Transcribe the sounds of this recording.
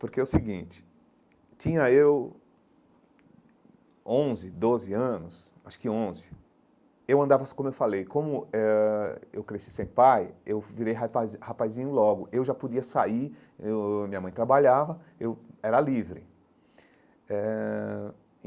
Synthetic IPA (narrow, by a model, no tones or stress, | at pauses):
poɾkeʊsɪɡĩt͡ʃɪ̥ | t͡ʃĩɲɐew | õzɪd̪ozɪɐ̃nʊsaʃʊ̥kɪõzɪ̥ | ewɐ̃nd̪avɐkõmʊewfalejkõmʊɛewkɾesisẽj̃pajewviɾejɦaazhapajzĩɲʊlɔɡʊewʒapod͡ʒiɐsaiɾ | mĩɲɐmɐ̃j̃t̪ɾabaʎavɐ | ewɛɾɐlivɾɪ | ɛ